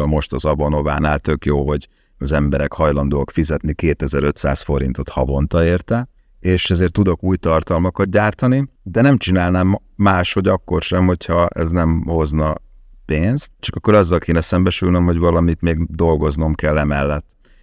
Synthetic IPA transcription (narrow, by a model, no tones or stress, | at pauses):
lmo̞ʃt̪ɒzɒbono̞va̰ːnaːlt̪ø̞kjoːɦo̞ɟ | ɒzɛmbɛɾɛkhɒjlɒnd̪oːɒkfizɛt̪nikeːt̪ɛzɛɾø̞t̪sa̰ːsfo̞ɾḭnt̪o̞t̪hɒbo̞nt̪ɒeːrt̪ɛ | eːʃɛzeːrt̪ːud̪o̞kuːjt̪ɒrt̪ɒlmɒkɒt̪̚ɟaːrt̪ɒnid̪ɛnɛmt͡ʃinaːlnaːmː | aːʃho̞ɟɒkːo̞rʃɛmho̞chɒɛ̰znɛmho̞znɒpeːnst̪t͡ʃɒkɒkːo̞ɾɒzːɒlkeːnɛsɛmbɛʃylnømho̞ɟvɒlɒmit̪meːɡd̪o̞lɡo̞zno̞mkɛlːɛmɛlːɛt̪ː